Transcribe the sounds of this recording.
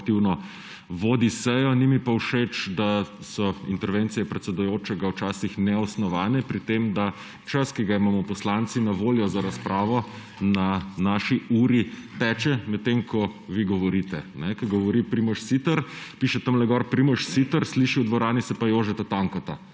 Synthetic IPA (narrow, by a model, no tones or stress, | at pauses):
t̪iwnɔ | ʋoːd̪isɛjɔnimipawʃet͡ʃd̪a | sɔint̪ɛɾʋeːnt̪sijɛpɾɛt̪sɛd̪ujoːt͡ʃɛɡawt͡ʃaːsixnɛɔsnɔʋaːnɛpɾit̪emd̪a | t͡ʃaskiɡaimaːmɔpɔslant̪sinaʋoːljɔzaɾaspɾʔaːʋɔ | nanaːʃiuɾi | t̪ɛːt͡ʃɛmɛt̪ːemkʰɔʋiɡɔʋɔɾit̪ɛnɛkɐɡɔʋɔɾipɾimɔʃsit̪əɾpiːʃɛt̪amlɛɡɔːɾpɾimɔʃsit̪əɾsliʃiwd̪ʋɔɾaːnisɛpajoʒɛt̪at̪aŋkɔt̪a